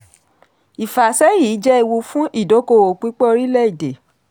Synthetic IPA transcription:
i˨fa˨sɛ˦jiː˨˦d͡ʒɛ˦i˧wu˧fũ˦ʔi˦˨do˨˦ko˧˨wo˨k͡pi˨˦k͡pɔ˦o˧ɾi˦lɛ˦i˦˨de˨

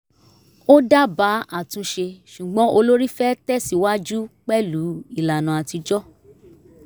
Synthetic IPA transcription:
o˦da˦ba˨˦a˦˨tũ˧ʃe˧ʃu˨ɡ͡bɔ̃˨˦o˧lo˦ɾi˦fɛ˦tɛ˦si˦wa˦d͡ʒu˦k͡pɛ˦lu˨˦i˦˨la˨nã˨a˨ti˧d͡ʒɔ˦

